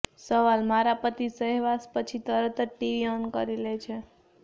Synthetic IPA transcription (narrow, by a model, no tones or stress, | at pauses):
səʋalmaɾapət̪isəɦeʋaspət͡ʃʰit̪əɾət̪əʈiʋiɔnkə̰ɾilet͡ʃʰe